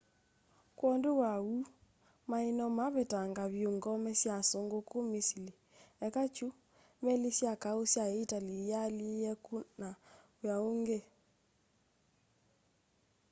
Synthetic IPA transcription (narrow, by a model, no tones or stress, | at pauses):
kwɔnduwau | mainɔmaβetaŋɡaβjoŋɡɔmɛsjasoŋɡokomisili | ɛkat͡ʃu | mɛlisjakaosjaeitalijalijɛkuna | wjaoŋɡe